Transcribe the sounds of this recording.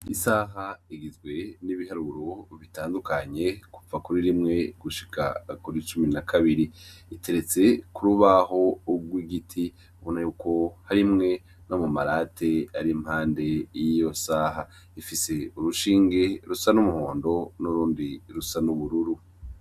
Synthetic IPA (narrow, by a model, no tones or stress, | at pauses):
isaɦaiɡizɡwe̞niβihaɾuɾuβitaːndukaɲe̞ku̥vakuɾiɾimŋe̞ɡuʃi̥kʰa̰kuɾit͡ʃuminakʰaβiɾiitʰe̞ɾe̞t͡se̞kuɾuβaɦo̞uɡwiɡitʰi | uβonajuːko̞haɾimŋe̞ | nomumaɾaːtʰe̞aɾimhaːnde̞jijo̞saɦa | ifise̞uɾuʃiːŋɡe̞ɾusanumuhoːndo̞nuɾuːndiɾusanuβuɾuɾu